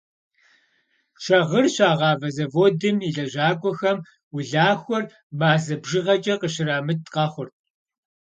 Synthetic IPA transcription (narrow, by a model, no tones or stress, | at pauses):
ʃʰɐʁərɕaːʁɑːvɐzɐvoːdɨmiɮɐʑaːkʷʼɔxɐm | wʊɮaːxʷɔr | maːzɐbʒɪʁɐt͡ʃʼɐqəɕɪraːmɨt̚qɑːχʷʊrt̚ʰʼ